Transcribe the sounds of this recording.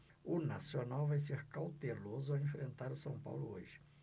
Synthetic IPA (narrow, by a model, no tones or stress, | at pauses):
ʊnasionawvajs̬eɾkawt̪elozʊaẽfɾẽnt̪aɾʊsɐ̃w̃pa̰wlʊ̰oʒɪ̥